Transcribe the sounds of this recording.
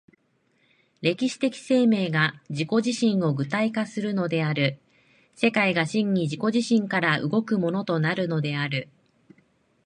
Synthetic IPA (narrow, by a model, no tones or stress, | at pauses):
ɾe̞kʲiɕi̥t̪e̞kʲi̥se̞ːme̞ːɡad͡ʑiko̞ʑiɕĩɰ̃o̞ɡɯ̟t̪aikasɨɾɯ̟no̞d̪e̞aɾɯ̟ | se̞kaiɡaɕĩɲ̟ːiʑiko̞ʑiɕĩŋkaɾaʔɯ̰ɡo̞kɯ̟mo̞no̞t̪o̞naɾɯ̟no̞d̪e̞aɾɯ̟